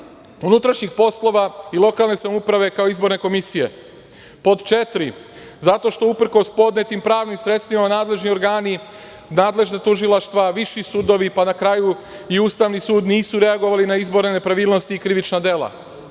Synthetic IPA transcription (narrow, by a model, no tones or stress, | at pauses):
unut̪ɾaʃɲixpo̞slo̞ʋailˠo̞kalˠne̞samupɾaʋe̞kao̞izbo̞ɾne̞ko̞misije̞̰ | po̞d̪t͡ʃe̞t̪ɾi | zat̪o̞ʃt̪o̞upɾ̩ko̞spo̞d̪ne̞t̪impɾaːʋnimsɾe̞t̪st̪ʋimanaːd̪leʒnio̞ɾɡaːni | naːd̪le̞ʒnat̪uʒilˠaʃt̪ʋaʋiʃisud̪o̞ʋipanakɾaːju | iuːst̪aʋnisuːd̪niːsuɾe̞aɡo̞ʋalinaizbo̞ɾnenepɾaʋiːlˠno̞st̪iːkɾiʋit͡ʃnad̪e̞lˠa̰